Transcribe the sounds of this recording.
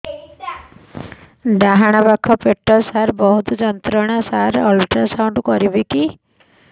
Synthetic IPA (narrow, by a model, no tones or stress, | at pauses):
ɖaɦaɽ̃apakʰɔpeʈːɔsaɾbɔɦut̪ɔd͡ʒɔnt̪ɾɔɽ̃asaɾɔlʈasawɳɖkɔɾibiki